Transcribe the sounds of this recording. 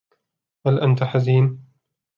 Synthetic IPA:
halʔant̪aħaziːn

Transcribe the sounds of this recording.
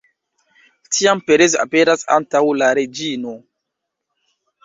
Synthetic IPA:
tʰiampeɾeza̰pe̞ɾasa̰ntawlaɾed͡ʒino̞

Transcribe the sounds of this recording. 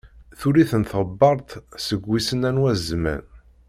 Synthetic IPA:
θuɾiθənθəbːɑɾˤt̪səɡʷːisənænwæzmæ̰n

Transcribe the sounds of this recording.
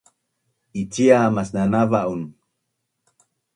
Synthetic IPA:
it͡ɕiamasnanavaʔun

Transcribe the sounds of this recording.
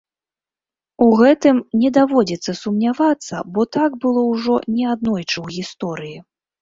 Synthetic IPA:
uɣɛt̪ɨmnʲɛd̪avɔd͡zʲɛt̪sːɐsumnʲavat̪sːɐ̰bɔt̪aɡbɨlˠɔwʐɔnʲɛad̪̚nɔjt͡ʂɨwɣʲist̪ɔɾɨji

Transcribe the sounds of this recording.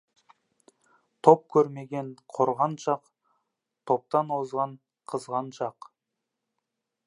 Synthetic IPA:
t̪ʰo̞p̚kʲʰɵɾme̞ɡʲe̞ɴqʰoɾʁɑnʃɑq | t̪ʰo̞p̚t̪ɑnwozʁɑɴ | qʰəzʁɑnʃɑq

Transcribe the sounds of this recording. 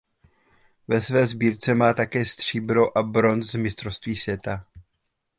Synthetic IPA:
vɛsvɛːzbiːɾt͡sɛmaːt̪akɛːst̪r̝̥iːbɾo̞ʔabɾo̞nt͡szmɪst̪ɾofst̪viːsvjɛt̪a

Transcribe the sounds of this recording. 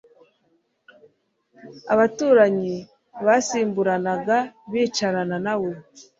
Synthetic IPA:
aβatuːɾaɲi | βasiːmbuɾanaɡaβiːt͡ʃaɾananawo

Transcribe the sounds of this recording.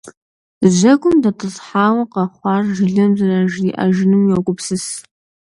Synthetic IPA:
ʑɐɡʷʼʊmdɐtʰɨzħaːwɐqɐχʷɑːrʒɪɮɐmzɐraʒiʔɐ̰ʒɪnɨmjokʷʼʊpsɨs

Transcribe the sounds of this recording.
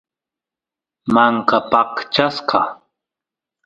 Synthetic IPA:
maŋkapɑqt͡ʃasqɑ

